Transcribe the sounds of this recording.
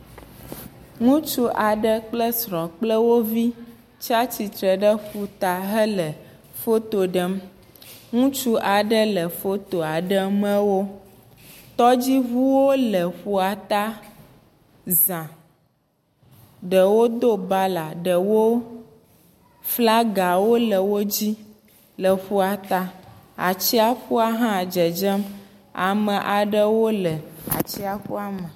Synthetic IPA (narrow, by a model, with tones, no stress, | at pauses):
ŋũ˦t͡ʃu˦ʔa˨ɖə˦k͡plə˦sɾɔ̃˨k͡plə˦wo˦vi˦ | t͡ʃa˦t͡ɕi˨t̪ɾə˨ɖə˦ɸu˨t̪a˨ɦə˦lə˨ | fo˦t̪o˨ɖə˦m | ŋũ˦t͡ʃu˦ʔa˨ɖə˦lə˨fo˦t̪o˨a˨ɖə˦mə̃˦wo˦ | t̪ɔ˦d͡ʑi˦ɦu˦wo˦lə˨ɸu˨a˨t̪a˦ | zã˨ | ɖə˨wo˦d̪o˦ba˦la˨ɖə˨wo˦ | fla˦ɡa˨wo˦lə˨wo˦d͡ʑi˦ | lə˨ɸu˦a˨t̪a˦ | a̰˨t͡ɕi˦a˦ɸu˦a˦ɦã˦˨d͡ʒə˨d͡ʒə˦m | a̰˨mə̃˨ʔa˨ɖə˦wo˦lə˨a̰˨t͡ɕi˦a˦ɸu˦a˦mə̃˨